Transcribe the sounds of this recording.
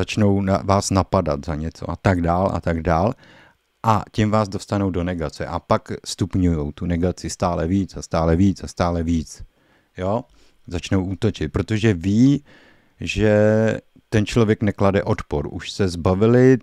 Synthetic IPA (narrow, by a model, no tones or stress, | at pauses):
zat͡ʃno̞wna̰vaːsnapadat̪zaɲɛt͡so̞̰ʔat̪aɡdaːlʔa̰t̪aɡdaːl | ʔa̰cɪmvaːzdo̞st̪anowdo̞nɛɡat͡sɛ̰ʔapakst̪upɲujowt̪unɛɡat͡sɪst̪aːlɛviːt͡sast̪aːlɛviːt͡sast̪aːlɛviːt͡s | joː | zat͡ʃnowʔuːt̪o̞t͡ʃɪt̪̚pɾot̪o̞ʒɛviː | ʒɛ | t̪ɛnt͡ʃlovjɛknɛkladɛʔo̞t̪po̞ɾʔṵʃst̪ɛzbavɪlɪ